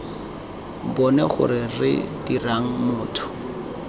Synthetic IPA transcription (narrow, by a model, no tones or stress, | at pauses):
bɔnɛχʊ̰ɾɪrɪ̰diraŋ̩mʊːtʰʊ̥